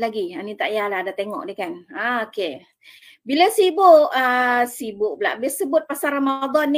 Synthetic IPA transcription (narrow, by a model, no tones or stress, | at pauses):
laɡianit̪aʔjaladat̪eŋɔ̰ʔdikanaoke | bilasibʊʔəsibʊʔ̚bəla̰ʔbɪsəbʊt̪̚pasaramad̪ɔnːi